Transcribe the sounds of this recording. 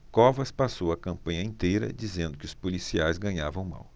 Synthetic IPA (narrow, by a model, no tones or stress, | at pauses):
kɔvɐspasowɐkɐ̃mpɐ̃ɲɐĩnt̪ejɾɐ̰d͡ʒizẽnd̪ʊkɪʊspolisiajzɡɐ̃ɲavɐ̃w̃ma̰w